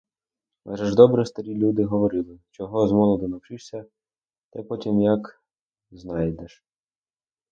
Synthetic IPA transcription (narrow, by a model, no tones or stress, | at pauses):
mɛ̰ʒɛʒd̪ɔbɾɛst̪ɐɾʲilʲud̪ɪɦɔʋɔɾɪlˠɪt͡ʃɔɦɔzmɔlˠɔd̪ɪnɐwt͡ʃɪʃsʲɐ | t̪ɛpɔtʲimjɐk | znɑjd̪ɛʃ